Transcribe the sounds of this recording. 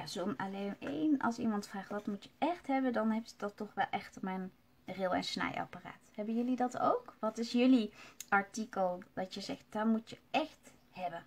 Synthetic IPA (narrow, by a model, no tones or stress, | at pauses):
jazomalenḛjnɑ̰lˠsimɑntfraːχʋɑtmutjəɛxtɦɛbəndɑnɦɛpsdɑtːɔχʋɛlˠʔɛxtəmɛjn | rɪlˠɛ̰nsnɛ̰jɑ̰para̰ːthɛbənjɵlidɑto̰wkʋɑtɪsjɵliʔɑɹtikəlˠd̥ɑtjəzɛxt̚d̥ɑtmutjəʔɛxt | hɛbə